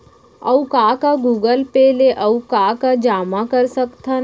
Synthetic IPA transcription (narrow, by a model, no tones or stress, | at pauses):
ɐ̰wkaːkaɡuːɡəlpeːleʔɐukaːkad͡ʒaːmakɐɾsəkt̪a